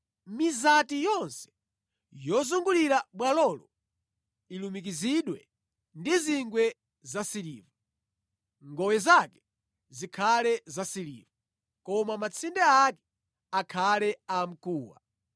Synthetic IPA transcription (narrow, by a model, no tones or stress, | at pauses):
mizatijɔnsɛ̥ | jɔzuŋɡuliɾaɓwalɔlɔ | ilumik̬iziɗwɛ | ndiziŋɡwɛ | zasilḭːvu | ŋɡɔwɛzakɛ̥ | zikʰalɛzasilḭːvu | kɔmamat͡sʰindɛakɛ̥ | akʰalɛam̩kuːwa̰